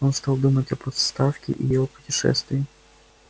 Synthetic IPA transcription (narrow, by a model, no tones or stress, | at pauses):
onst̪alˠd̪umətʲɐpɔt̪st̪afkʲɪ̰ʔijɪvopʊ̥tʲɪʂɛ̰st̪vʲɪɪ